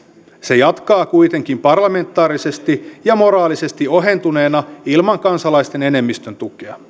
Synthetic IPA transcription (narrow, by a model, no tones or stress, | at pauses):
se̞jɑt̪kɑːkujt̪e̞ŋk̟impɑrlɑme̞nt̪ːˑɑːɾise̞st̪ijɑmo̞ɾɑːlise̞st̪io̞ɦe̞nt̪une̞ːnɑilmɑŋkɑnsɑlɑist̪e̞ne̞ne̞mːist̪ønt̪ukeɑ